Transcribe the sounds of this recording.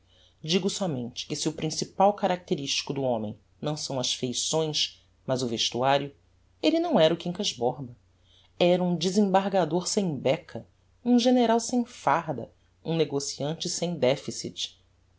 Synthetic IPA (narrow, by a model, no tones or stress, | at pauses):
d͡ʒiɡʊsɔmḛ̃nt͡ʃɪ̥kɪsiʊpɾĩsipawkaɾak̚t̪eɾiʃt͡ʃi̥kʊd̪ʊõmḛ̃j̃ | nɐ̃w̃sɐ̃w̃ɐʃfejsõj̃s | mɐzʊveʃt̪uaɾjʊ | elɪnɐ̃w̃ɛɾʊkĩŋkɐʒbɔɾbɐ | ɛɾɐũd͡ʒizẽbaɾɡad̪oɾsẽj̃bɛkʰɐ | ũʒeneɾawsẽj̃faɾd̪ɐ̰ | ũneɡosiɐ̃nt͡ʃɪsẽj̃d̪ɛfisit͡ʃɪ̥